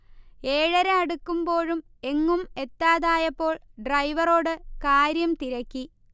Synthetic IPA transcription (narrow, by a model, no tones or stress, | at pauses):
e̞ːɻɐɾeɐɽukːumbo̞ːɻum | e̞ŋːume̞t̪ːaːðaːjɐpːo̞ːɭɖrɐjʋɐro̞ːɽɨkaːɾjɐmt̪iɾɐkʲːi